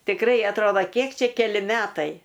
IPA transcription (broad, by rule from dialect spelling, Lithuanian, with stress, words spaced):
tʲɪkˈrɐɪ ɐtˈroːdɐ ˈkʲiɛk ˈt͡ʃʲɛ kʲɛˈlʲɪ ˈmʲæːtɐɪ